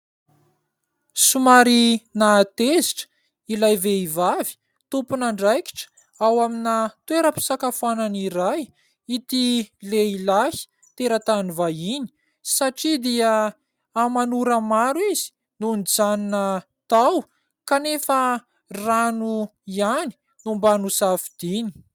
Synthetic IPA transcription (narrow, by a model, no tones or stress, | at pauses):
sumaɾinat̪eziʈ͡ʂə̥ | ilajveivavi̥ | t̪upunaɳɖ͡ʐajki̥ʈ͡ʂə̥ | awaminat̪weɾəpi̥sakafuananiɾaj | it̪ileilahi̥ | t̪eɾət̪anivajini̥ | saʈ͡ʂid̪iə | amanuɾəmaɾwizi̥ | nunid͡zaninə | t̪aw | kanefə | ranuiani̥ | numbanusafid̪̥ini̥